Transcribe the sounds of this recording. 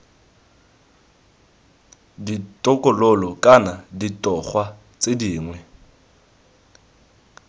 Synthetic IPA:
ditʼɔkʼɔlolɔkʼanaditʼɔχwa | t͡sʼediːŋwɛ

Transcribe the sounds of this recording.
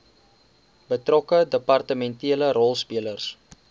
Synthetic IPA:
bətrɔkədəpɐrtəmɛntiələɾɔlˠspiələrs

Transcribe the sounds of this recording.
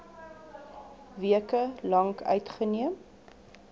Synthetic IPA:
viəkəlɐŋkœ̰ɥtχəniəm

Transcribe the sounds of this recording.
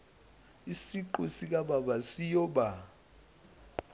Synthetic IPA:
isiǃusik̬ʼaɓaɓasijɔɓa

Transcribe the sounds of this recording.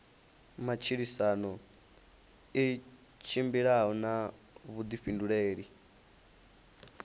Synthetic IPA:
mat͡ʃʰiɺisanɔ | i | t͡ʃʰimbiɺaɦɔna | βud̪iɸinduɺeːɺi

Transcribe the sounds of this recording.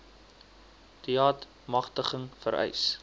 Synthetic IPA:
tiɑːt | mɐχtəχəŋfəɾɛ̰js

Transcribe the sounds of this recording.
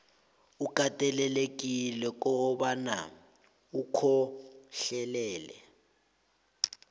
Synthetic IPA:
ukʼatʼɛlɛlek̬ʼilɛk̬ʼɔɓana̰ | ukʰɔɬɛlɛːlɛ̰

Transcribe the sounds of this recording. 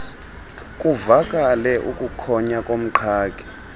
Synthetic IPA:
kʼuvakʼalɛʔṵkʼukʰɔɲakʼom̩ǃʰaːkʼi̥

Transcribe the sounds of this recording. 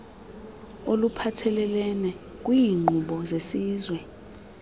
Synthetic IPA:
olupʰatʰɛlɛlɛnɛ | k̬ʼwiːŋ͡ǃʱuɓɔzesiːzwɛ

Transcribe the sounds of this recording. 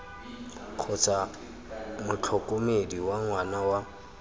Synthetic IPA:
k͡xʰʊt͡sʰa | mʊt͡ɬʰɔkʼomediwaŋwanawa

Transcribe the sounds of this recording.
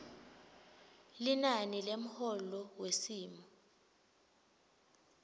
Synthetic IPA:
linanilem̩hɔlɔwesiːmɔ

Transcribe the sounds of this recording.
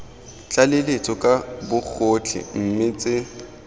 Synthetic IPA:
t͡ɬʼalɪlet͡sʰʼɔkʼabʊk͡xʰot͡ɬʰɪ̰m̩mɪt͡sʼɪ

